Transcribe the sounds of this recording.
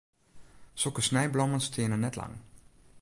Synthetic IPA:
solˠkəsnɛjblɔmənstʰɪənənɛtlɑ̰ŋ

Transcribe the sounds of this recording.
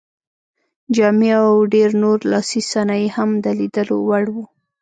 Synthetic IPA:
d͡ʒɑmeawɖeɾnoɾlɑsisanɑjehamd̪əlid̪əlo̰waɽwu

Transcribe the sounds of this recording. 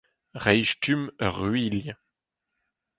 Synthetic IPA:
ʁɛjʃtʰymœ̰ʁɥil

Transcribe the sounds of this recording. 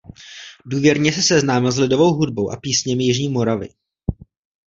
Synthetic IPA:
duːvjɛɾɲɛsɛsɛznaːmɪlzlɪdo̞vo̞wɦud̚bowʔa̰piːsɲɛmɪjɪʒɲiːmo̞ɾavɪ̰

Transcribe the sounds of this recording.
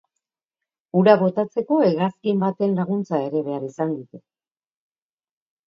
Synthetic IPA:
uɾaβo̞t̪at͡se̞ko̞eɣaskimbat̪e̞nlaɣ̞unt͡sae̞ɾe̞βe̞aɾisand̪ut̪e

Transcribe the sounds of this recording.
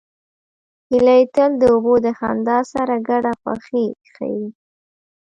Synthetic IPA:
hilajt̪əld̪əobod̪əxa̰nd̪ɑsaɾaɡaɽapa̰xixa̰ji

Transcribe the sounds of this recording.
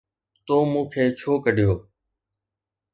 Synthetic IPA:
t̪oːmũːkʰeːt͡ʃʰoːkəɗɪjoː

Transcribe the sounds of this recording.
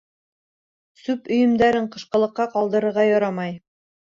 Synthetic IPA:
sʉpɵ̆jɘ̆md̪æɾɘɴqɤ̆ʃqɤ̆lˠɤ̆qːɑqɑlˠd̪ɤ̆ɾɤ̆ɾʁɑjɒɾɑmɑj

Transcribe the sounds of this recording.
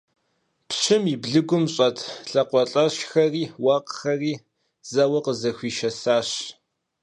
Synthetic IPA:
pɕɨmibɮɨɡʷʊmɕʼɐtʰɬɐqʷɔɬʼɐɕxɐriːwɐqxɐriː | z̥ɐwɐqəzɐxʷiːʃɐsaːɕ

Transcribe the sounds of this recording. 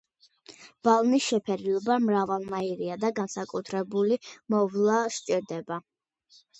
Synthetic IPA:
b̥alˠnisʃɛpʰɛɾilɔbamɾavalˠnaiɾiad̪aɡansakʼut̪ʰɾɛbulimɔvlˠaʃt͡ʃʼiɾd̪ɛba

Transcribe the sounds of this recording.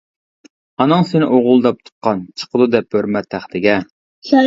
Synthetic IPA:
ɑnɨŋsenɪʔoʁʊlˠd̪ɑp̚t̪ʰu̥t̪̚qʰɑnt͡ʃʰə̥qʰəd̪ud̪ɛp̚høɾmɛt̪ʰːæχd̪ɪɡʲɛ

